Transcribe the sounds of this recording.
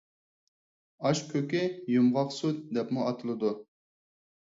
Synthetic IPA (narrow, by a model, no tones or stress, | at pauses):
ɑʃkʰøkʲɪjumʁɑqsut̪̚d̪ɛpmuɑt̪ʰɨlˠɨd̪u